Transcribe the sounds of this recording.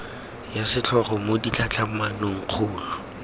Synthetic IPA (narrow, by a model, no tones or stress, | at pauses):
jasɪt͡ɬʰɔχɔmodit͡ɬʰat͡ɬʰamanoŋ̩q͡χʰuːlʊ